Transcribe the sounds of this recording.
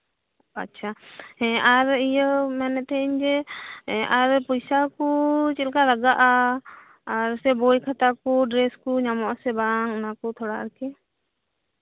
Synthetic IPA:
a̰tːʃʰaɦɛ̃aɾijəmɛnɛt̪ɛiɲd͡ʒɛ | aɾpɔjsakut͡ʃɛlkalaɡaʔaː | ɾsɛbojkʰat̪akuɖɾɛskuɲamɔʔsɛbaŋɔnakɔt̪ʰɔɽaa̰ɾkɛ

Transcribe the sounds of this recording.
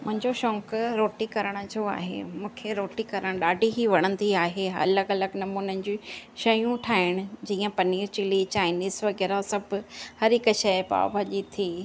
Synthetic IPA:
mʊ̃ɦɪ̃ɲd͡ʑoʃɔ̃ːŋkɾoːʈikɐɾəɽ̃d͡ʑoa̰ːɦḛmũːkʰeɾoːʈikɐɾəɽ̃ɗaːɖʱiɦiʋɐɽ̃ə̃nd̪iaːɦeɐ̰ləɡɐləɡnɐmuːnənɪd͡ʑiʃɐjũʈʰaːɦɪɽ̃ʊ̆d͡ʑiːə̃pɐniːɾt͡ɕɪlit͡ɕaːɪniːzʋɐɣɛːɾasɐbhɐɾɪkʃɐɪpa̰ːbʱɐʄit̪ʰiː

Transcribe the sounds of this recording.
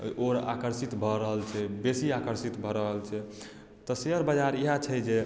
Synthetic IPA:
oɾa̰kəɾsit̪bʱɔɾəɦəlt͡ʃʰɛbesiakəɾsit̪bʱɔɾəɦəlt͡ʃʰɛ | t̪ɔseɦəɾbəd͡ʒaɾiɦat͡ʃʰɛd͡ʒe

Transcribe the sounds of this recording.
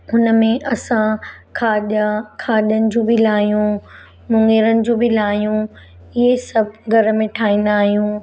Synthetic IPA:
ɦʊnəmẽʔɐsãkʰaːɗakʰaːɗjənɪ̆d͡ʑoːbɪlaːɦijũ | mʊ̃ŋɡeɾənɪ̆d͡ʑoːbɪlaːɦijũ | ɪɦesɐbʱɡʱɐɾmẽʈʰaːĩːn̆d̪aːɦijũ

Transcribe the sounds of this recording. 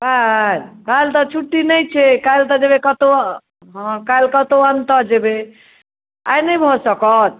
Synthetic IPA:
kalkailt̪ɔt͡ʃʰuʈːinəjt͡ʃʰekailt̪ɔd͡ʒebekət̪o | ɦkailkət̪oənt̪əd͡ʒebe | a̰jnəjbʱɔsəkɔt̪̚

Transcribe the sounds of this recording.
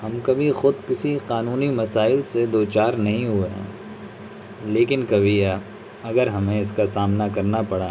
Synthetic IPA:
ɦɐmkɐbʱixʊd̪kɪsiqaːnuːnimɐsaːɪlsed̪oːt͡ʃaːɾnɐɦĩɦueɦɛ̰̃ː | leːkɪnkɐbʱi | ɐɡəɾɦɐmẽɪskasaːmnakɐɾnapɐɽa

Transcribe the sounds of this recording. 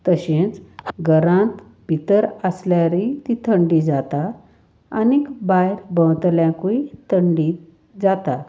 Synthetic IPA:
t̪əɕẽt͡sɡəɾãt̪ | bʱit̪əɾəsljaɾit̪it̪ʰəɳɖid͡zat̪aː | nikbajɾbə̃wt̪ljãkuit̪ʰəɳɖi | d͡zat̪a

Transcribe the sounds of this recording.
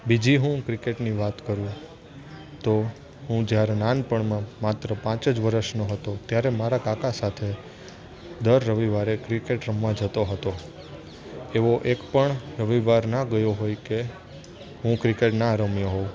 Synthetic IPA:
bid͡ʒiɦũkɾɪkeʈniʋat̪kəɾũ | t̪o | ɦũd͡ʒjaɾenanpəɳmãmat̪ɾəpãt͡ʃəd͡ʒʋəɾəʃnoɦət̪ot̪jaɾemaɾakakasat̪ʰe | d̪əɾːəʋiʋaɾekɾikeʈɾəmʋãd͡ʒət̪oɦət̪o | eʋoʔekpəɳɾəʋiʋaɾnaɡəjoɦojke | ɦũkɾikeʈnaːɾəmjoɦoũ

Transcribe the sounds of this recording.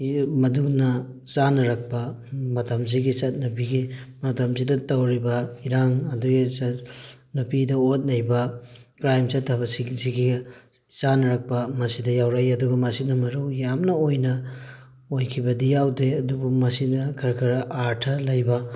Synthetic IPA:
mɐduk̚nɐ | t͡ʃanɐɾɐk̚pɐmɐtɐmziɡisɐt̚nupiɡimɐtɐmzidɐtɐwɾibɐiɾaŋɐduɡit͡ʃɐtnupidɐot̚nɐjbɐkɾajmt͡ʃɐtʰːɐbɐsiziɡit͡ʃanɐɾɐk̚pɐmɐsidɐjawɾajɐduɡɐmɐsinɐmɐɾuwjamnɐojnɐ | ojkʰibɐdijawdeɐdubumɐsidɐkʰɐɾkʰɐɾɐʔaɾtʰɐlɐjbɐ

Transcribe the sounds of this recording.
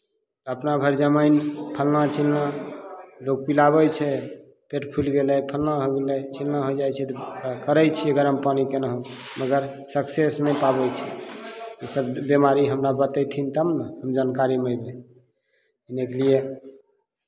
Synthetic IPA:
t̪əpnabʱəɾd͡ʒəmajnpʰəlnat͡ʃʰilna | loɡ̚pilaβəjt͡ʃʰɛ | peʈpʰulɡelɛpʰəlnaɦoɡelɛt͡ʃʰilnaɦojd͡ʒajt͡ʃʰɛt̪ɔkəɾəjt͡ʃʰiəɡəɾəmpanikenəɦõ | məɡəɾ | səksesnə̃jpabɛt͡ʃʰɛ | isəbbemaɾiɦəmɾabət̪əjt̪ʰint̪əmnəhəmd͡ʒankaɾiməjbe | inekelie

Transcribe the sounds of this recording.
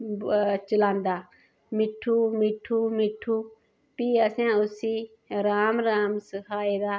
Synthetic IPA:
t͡ʃəlãːnd̪aː | mɪʈʰːuːmɪʈʰːuːmɪʈʰːuː | piːəsãːʊsiː | ɾaːmɾaːmsəkʰaːeːd̪aː

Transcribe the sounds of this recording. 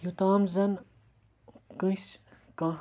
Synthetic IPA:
jut̪aːmzɐn | kɨ̃s | kã

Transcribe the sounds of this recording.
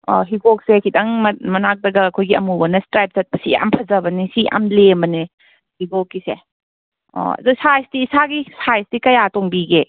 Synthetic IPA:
ɔ̰ɦibok̚sekʰidɐŋmɐmɐnak̚dɐɡɐɐkʰojɡiɐmubɐnɐstɾajp̚zɐt̚pɐsia̰mpʰɐzɐbɐnisiʔa̰mlembɐni | hibokːise | ɔ̰ɐ̰dusajsdiːsaɡisajsdikɐjatoŋbiɡe

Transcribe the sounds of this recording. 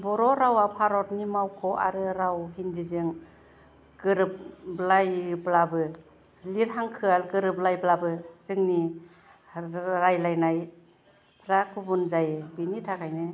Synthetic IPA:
bɔɾɔɾawapʰaɾɔtnimawkʰɔʔa̰ɾɯɾawɦindizɯŋ | ɡɯɾɯp̚blajblabɯ | liɾɦaŋkʰɯalɡɯɾɯblajblabɯzɯŋni | ɾajlajnaj | pʰɾakʰubunzajbinitʰakʰajnɯ

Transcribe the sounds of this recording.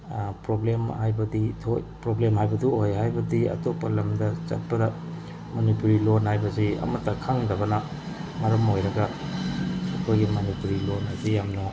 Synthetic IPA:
pɾoblemhajbɐditʰo̰jpɾoblemɦajbɐduojɦajbɐdiɐ̰topːɐlɐmdɐt͡ʃɐt̚pɐdɐ | monipuɾilonhajbɐsiɐ̰mɐtːɐkʰaŋdɐbɐnɐ | mɐɾɐmojɾɐɡɐ | ɐkʰojɡimɐnipuɾilonɐsijamnɐ

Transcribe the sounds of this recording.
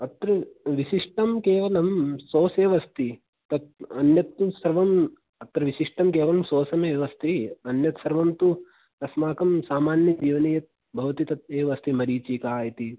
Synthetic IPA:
ɐt̪ɾɐʋiʃiʂʈɐmkeːʋɐlɐmsoːseːʋɐst̪i | t̪ɐt̪ɐnjɐt̪ːsɐɾʋɐm | ɐt̪ɾɐʋisiʂʈɐmkeːʋɐlɐmsoːsɐmeːʋɐst̪iɐnjɐt̪sɐɾʋɐmt̪u | ɐsmaːkɐmsaːmaːnjɐd͡ʒiːʋɐneːjɐt̪̚ | bʱɐʋɐt̪it̪ɐt̪eːʋɐst̪ʰimɐɾiːt͡ʃiːkaːjit̪i

